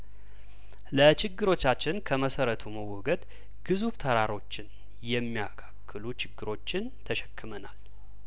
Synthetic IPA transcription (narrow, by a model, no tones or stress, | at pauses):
lət͡ʃɪɡːɨɾo̞t͡ʃːat͡ʃːɪnkʰəməsəɾət̪ʰuməwɔɡəd̪ | ɡ̥ɨzuft̪ʰəɾaɾo̞t͡ʃːɪn | jɛmːijakʰḁkːɨlut͡ʃɪɡːɨɾo̞t͡ʃːɪnt̪ʰəʃɛ̥kːɨmənal